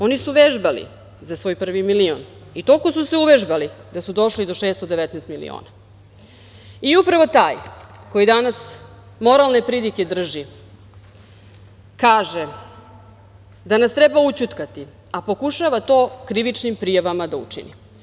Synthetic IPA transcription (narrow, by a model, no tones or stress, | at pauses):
o̞nisuʋeʒbalḭ | zasʋo̞ːjpr̩ʋimilio̰n | it̪o̞kosuseuʋeʒbalid̪asud̪o̞ʃlid̪o̞ʃeːst̪od̪eʋɛt̪nɛst̪milḭo̰ːna | iupɾaʋo̞t̪aːjko̞jid̪anas | mo̞ɾalˠne̞pɾid̪ike̞d̪r̩ʒi | kaːʒe | d̪anast̪ɾebaut͡ɕut̪kat̪i | apo̞kuʃaʋat̪o̞ːkɾiʋit͡ʃnimpɾijaʋamad̪aṵt͡ʂḭnḭ